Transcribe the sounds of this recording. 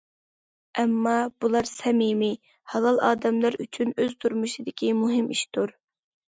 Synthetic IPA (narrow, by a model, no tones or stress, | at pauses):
ʔɛmːɑb̥ulˠɑɾsɛmimi | hɑlˠɑlˠɑːd̪ɛmlˠɑɾyt͡ʃʰynøzt̪ʰuɾmuʃid̪ɪkʲʰimuɦɪmʔiʃt̪uɾ